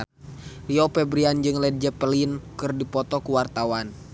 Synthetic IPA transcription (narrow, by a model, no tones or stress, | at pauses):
liɔpɛbɾiand͡ʒɨŋlɛd̚d͡ʒɛpəlinkɨrdipɔt̪ɔkuwart̪awan